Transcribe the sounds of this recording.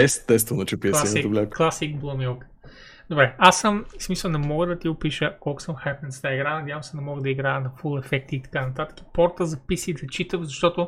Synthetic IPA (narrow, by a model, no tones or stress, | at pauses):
ɛst̪ɛst̪vɛnot͡ʃɛpilˠasit̪oblʲakːlˠasik̚blˠomiɔlk | d̪obɾɛasəmsmisəlˠnɛmɔɡəd̪ɐt̪iɡʊpiʃəkɔlˠkʊ̥səmxajpnɛnst̪aiɡɾanɐd̪ʲavəmsɛnɐmɔɡəd̪ɐiɡɾajənɐfulˠɛfɛk̚t̪iːt̪ɐ̥kanɐt̪at̪ə̥ki̥pɔɾt̪əzɐpisiːd̪ɐt͡ʃit̪əvzɐʃt̪ɔt̪ʊ